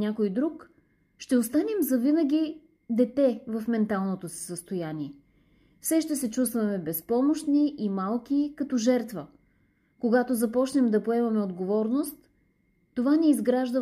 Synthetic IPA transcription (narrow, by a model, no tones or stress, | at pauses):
nʲakojd̪ɾuk | ʃt̪ɛost̪anɛmzɐvinəɡʲi | d̪ɛt̪ɛvɐfmɛnt̪alˠnot̪osi̥səst̪ojaniɛ | fsɛʃt̪ɛsɛt͡ʃust̪vɐmɛbɛspɔmoʃt̪niʔimalˠk̟ikɐt̪ɔʒɛɾt̪və | koɡat̪ozɐpɔt͡ʃnɛmd̪ɐpoɛmɐmɛod̪ɡovɔɾnost̪ː | ovanɛizɡɾaʒd̪ə